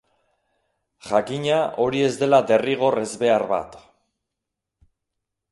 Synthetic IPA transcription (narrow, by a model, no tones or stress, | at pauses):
ʝakiɲaʔo̞ɾie̞zd̪e̞lad̪e̞riɣ̞o̞re̞zβe̞arβa̰t̪